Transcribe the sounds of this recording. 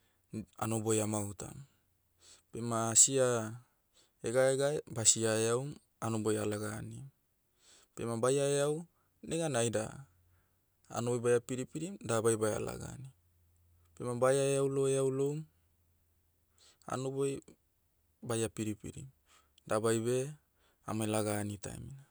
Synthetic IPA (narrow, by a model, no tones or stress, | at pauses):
a̰nobojamawta̰m | pemasia | eɡaeɡaebasiaeawm | anobojalaɡanim | pe̞mabajaeaw | neɡanajda̰ | a̰nobojbajapiɾipiɾimdabajbaja̰la̰ɡa̰ni | pemabajaeawloeawlowm | a̰noboj | bajapiɾipḭɾḭm | dabajbe̞ | a̰majlaɡanita̰ḛmina